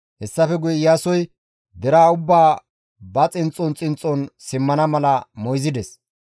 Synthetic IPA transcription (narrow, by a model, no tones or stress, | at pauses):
hɛsːɐfɛɡʊjɛjasɔj | d̪ɛɾaːʊbːaː | bɐt͡sʼɪnt͡sʼːɔnt͡sʼɪnt͡sʼːɔnsɪmːɐnɐmɐlɐmɔjzɪd̪ɛs